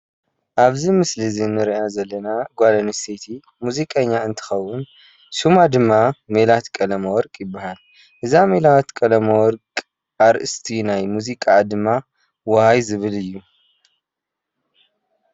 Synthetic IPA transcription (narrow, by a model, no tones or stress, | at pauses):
ʔaβzimɨslizinːɨɾiʔazɐlːɐnaɡʷalɐnisit̪ʰi | muzikʼɐɲːaɨnt̪ʰɨ̥xɐwːʊn | ʃumad̪ɨmːamelat̪kʼɐlɐmɐwɔɾkʼjɪbːahal | ʔɨzamelawt̪kʼɐlɐmɐwɔɾkʼ | ʔaɾʔɨst̪ʰinajmuzikʼad̪ɨmːa | wɐhajzɨβɨlɨjːu